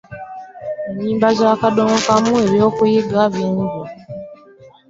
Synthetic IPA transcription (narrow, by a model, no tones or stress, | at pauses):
eɲiːmbazakadomokamueβjo̞ːkujiɡaβiːɲɡu